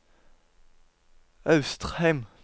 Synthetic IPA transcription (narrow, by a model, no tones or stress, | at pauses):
ɑʉst̪ʁhæɪm